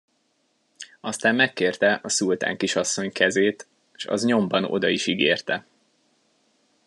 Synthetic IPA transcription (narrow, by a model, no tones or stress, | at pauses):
ɒst̪aːmmɛkːeːrt̪ɛʔɒsult̪a̰ːŋkiʃɒsːo̞ɲkɛzeːt̪ | ʃɒ̰zɲo̞mbɒno̞̰d̪ɒiʃiɡeːrt̪ɛ